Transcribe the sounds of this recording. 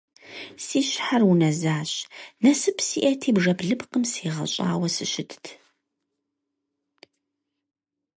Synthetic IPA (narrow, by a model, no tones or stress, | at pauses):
siːɕħarwunɐzaːɕnɐsɨpʰsḭːʔɐtʰiːbʐɐbɮɨbqəmsiːʁɐ̰ɕʼa̰ːwɐsɨʃɪtʰtʰ